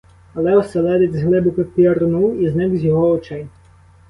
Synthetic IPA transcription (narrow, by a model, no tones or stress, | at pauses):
ɐlˠɛɔsɛlˠɛd̪etʲzɦlˠɪbʊkɪpʲiɐɾnuiznɪkzʲjɔɦɔɔt͡ʃɛj